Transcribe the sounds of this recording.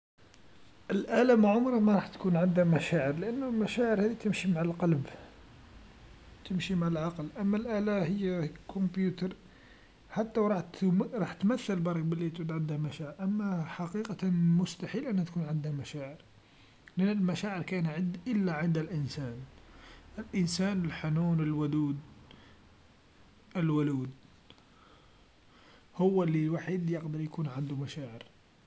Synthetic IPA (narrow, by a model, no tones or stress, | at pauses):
ʔəlʔælæmaʕʊmɾˤɑmæɾˤɑħt̪kunʕənd̪hæmæʃæʕəɾləʔənːʊlmæʃæʕəɾhæd̪it̪əmʃimaʕlqɑlb | t̪əmʃimaʕəlʕɑqlʔæmːælʔælæhəjːækʰʊmbjut̪ɑɾˤ | ħat̪ːæwɾˤɑħɾˤɑħt̪mæθːəlbɑɾˤɑk̚bəlːit̪ʕud̪ʕənd̪hæmæʃæʕəɾʔæmːæħɑqiqɑmʊst̪aħiːlʔænːhæt̪akuːnʕɪnd̪hamaʃaːʕɪɾ | mɪnɪlmaʃaːʕəɾkaːnʕɪnd̪ʔɪlːaʕɪnd̪alʔɪnsaːnʔɪlʔɪnsaːnɪlħanuːnɪlwʊd̪uːd̪ | ʔɪlwʊluːd̪ | hʊwːalːilwaːħid̪jɑqd̪ɑɾˤjakuːnʕɪnd̪umaʃaːʕɪɾ